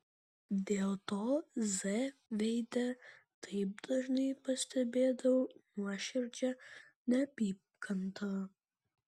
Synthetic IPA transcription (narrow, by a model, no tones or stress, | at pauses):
d̪ʲeːlˠt̪oːzɛʋʲɛɪd̪ʲɛ | t̪ʰɐɪp̚d̪ɐʒnɐɪpɐsʲt̪ʰʲɛbʲeːd̪ɐwɐnuɔʃʲɪɾʲd͡ʒʲɛ | nʲɛpʲiːpkʰɐnt̪ʰɐɐ